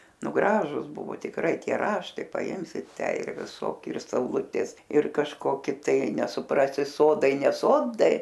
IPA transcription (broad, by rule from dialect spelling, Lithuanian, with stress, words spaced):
ˈnʊ ˈɡrɑːʒʊs ˈbʊʋoː tʲɪkˈrɐɪ ˈtʲiɛ ˈrɑːʃtɐɪ pɐˈɪmʲsʲɪ ˈtʲæː ɪr ʋʲɪˈsoːkʲɪ ɪr sɐʊˈlˠʊtʲeːs ɪr kɐʃˈkoːkʲɪ ˈtɐɪ nʲɛsʊˈprɑːsʲɪ ˈsoːdɐɪ nʲɛ ˈsoːdɐɪ